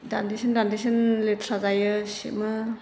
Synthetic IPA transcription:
dandisʰindandisenletʰɾazajɯsḭmɯ

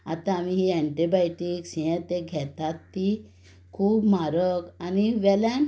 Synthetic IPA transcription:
a̰t̪ãːmiɦiɛ̃ɳʈibajʈiksijɛ̃t̪eɡʱɛt̪at̪ːi | kʰuːbmaɾəkaniʋɛla

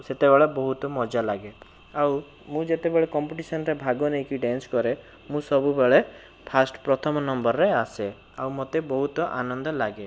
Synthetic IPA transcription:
set̪ebeɭɔbɔɦut̪ɔmɔd͡ʒalaɡe | aw | mũd͡ʒet̪ebeɭekɔmpiʈisɔnɔɾebʱaɡɔnejkiɖenskɔɾe | mũsɔbubeɭe | pʰasʈpɾɔt̪ʰɔmɔnɔmbɔɾːease | awmot̪ebɔɦut̪ɔʔa̰nɔnd̪ɔlaɡe

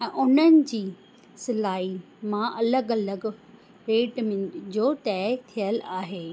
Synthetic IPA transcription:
ɛ̃ːʔʊn̤ənɪ̆d͡ʑiː | sɪlaːɦi | mãʔɐləɡɐləɡ | ɾeːʈmẽd͡ʑoːt̪ɛːt̪ʰijəlaːɦeː

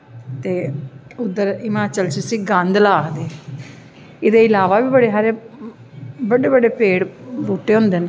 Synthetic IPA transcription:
t̪eːʊd̪əɾɪmaːt͡ʃəlsiːsiːɡə̃nd̪laːkd̪eː | ɪd̪eːɪlaːʋaːʋiːbəɽeːɦaːɾeː | bəɽeːbəɖeːpeːɽbuːʈːeːɦʊ̃ːnd̪eːn

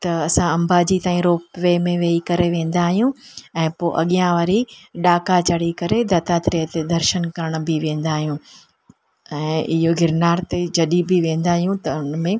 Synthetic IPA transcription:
t̪ɐɐsãɐ̃mbaːd͡ʑit̪aːĩɾoːpʋeːmẽʋeːikɐɾeʋẽːn̆d̪aːɦijũɛ̃ːpoːʔɐɠijãʋaːɾiɗaːkat͡ɕɐɽ̤ikɐɾed̪ɐːt̪aːt̪ɾiɦət̪ed̪ɐɾʃənkɐɾəɽ̃̆bɪʋẽːn̆d̪aːɦijũ | ɛ̃ːɪɦoɡʱɪɾnaːɾt̪ed͡ʑɐɗibɪʋẽːn̆d̪aːɦijũt̪ɐʊnmẽ

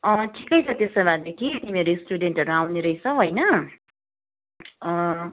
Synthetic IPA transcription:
ʌʈʰi̥kʌjt͡sʰʌt̪esʌbad̪ekʰit̪imieɾoisʈuɖeɳʈʌɾuawneɾʌjt͡sʰʌɦojnʌ | ʌ

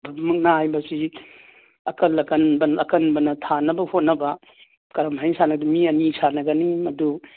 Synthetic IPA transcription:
bʱɐbmuk̚naajbɐsi | ɐkɐlɐkɐnbɐnɐkɐnbɐnɐtʰanɐbɐhot̚nɐbɐ | kɐɾɐmɦajnsanɐɡdumiɐnisanɐɡɐnimɐdu

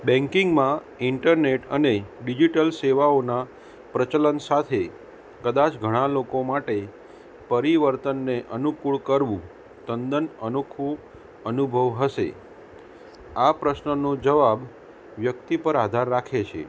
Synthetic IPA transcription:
bɛ̃ŋkiŋɡmã | ɪɳʈəɾneʈəneɖid͡ʒiʈəlseʋaona | pɾət͡ʃələnsat̪ʰe | kəd̪at͡ʃɡʱəɽ̃alokomaʈe | pəɾiʋəɾt̪ənːeʔənukuɭkəɾʋũ | t̪ənd̪ənənokʰʋũ | ənubʱəʋɦəʃḛ | apɾəsnənod͡ʒəʋab | ʋjək̚t̪ipəɾad̪ʱaɾːakʰet͡ʃʰḛ

